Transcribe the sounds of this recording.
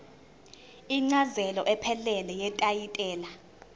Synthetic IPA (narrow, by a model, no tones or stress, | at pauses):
iŋ͡ǀazɛlɔʔɛpʰɛlɛlɛjɛtʼajitʼɛːla